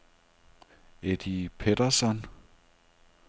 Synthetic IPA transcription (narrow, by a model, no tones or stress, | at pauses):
ed̥ipʰeɾ̥ɐsɒn